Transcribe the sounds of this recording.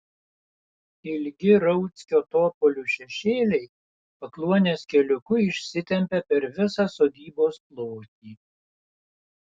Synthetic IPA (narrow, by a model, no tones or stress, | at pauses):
ɪlʲɡʲɪɾɐʊt̪sʲkʲoːt̪oːpɔlʲuːʃʲɛʃʲeːlʲɛɪ | pɐklˠuɔnʲeːskʲɛlʲʊkʊɪʃʲsʲɪt̪ʲɛmʲpʲɛpʲɛɾʋʲɪsɑsoːd̪ʲiːboːsplˠoːt̪ʲiː